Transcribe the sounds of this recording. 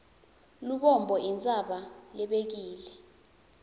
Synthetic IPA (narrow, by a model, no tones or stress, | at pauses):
luɓɔmbʱɔʔint͡sʼaɓalɛɓek̬iːlɛ